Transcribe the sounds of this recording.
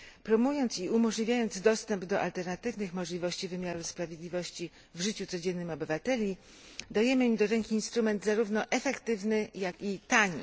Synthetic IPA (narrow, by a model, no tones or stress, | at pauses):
pɾɔmujɔnt̪siumɔʐlʲivʲjajɔnd̪zd̪ɔst̪ɛmbd̪ɔʔa̰lt̪ɛɾnat̪ɘvnɘxmɔʐlʲivɔɕt͡ɕivɘmʲjaɾuspɾavʲjed̪lʲivɔɕt͡ɕi | vʐɘt͡ɕut̪sɔd͡ʑɛnːɘmɔbɘvat̪ɛlʲi | d̪ajɛmɘimd̪ɔɾɛŋkʲiːnst̪ɾumɛnd̪zaɾuvnɔʔɛfɛkt̪ɘvnɘjakʲit̪aɲḭ